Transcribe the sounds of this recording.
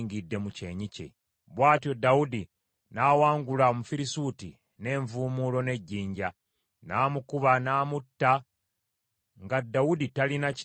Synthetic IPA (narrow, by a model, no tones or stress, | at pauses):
ŋɡidːe̞muce̞ːɲice̞̰ | βwaːtjo̞dawudi | naːwaːŋɡulamufiɾisuːtḭ | ne̞ːɱvuːmulo̞ne̞ɟːiːɲɟa | naːmukuβanaːmutːa | ŋɡadːawuditalinac